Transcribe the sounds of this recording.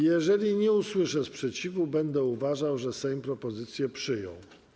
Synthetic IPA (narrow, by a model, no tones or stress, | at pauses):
jɛʐɛlʲiɲɛuswɘʂɛspʂɛt͡ɕivubɛnd̪ɛuvaʐawʐɛsɛjmpɾɔpɔzɘt̪sʲjɛpʂɘjɔ̰̃w̃